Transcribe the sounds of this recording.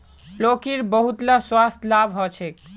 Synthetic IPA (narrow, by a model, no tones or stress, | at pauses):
lokiɾbəɦut̪laswast̪labʱɦɔt͡ʃʰɛk